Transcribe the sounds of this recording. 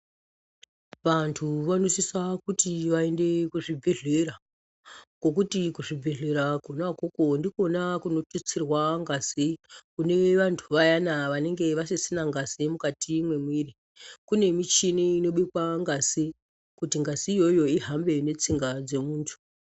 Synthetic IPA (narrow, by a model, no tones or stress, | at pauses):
ʋantʰuʋano̞sisakutiʋaende̞kuʐibʱeɮera | ko̞k̬utikuʐibʱe̞ɮe̞ɾakonakokondikonakuno̞tut͡sirwaŋɡasikune̞ʋantʰuʋajanaʋane̞ŋɡe̞ʋasisinaŋɡasimukatʰimwe̞mwiːri | kune̞mit͡ʃiniino̞ɓikwaŋɡasi | kutiŋɡazijo̞jo̞iɦambe̞ne̞t͡siŋɡad͡ze̞muːntʰu̥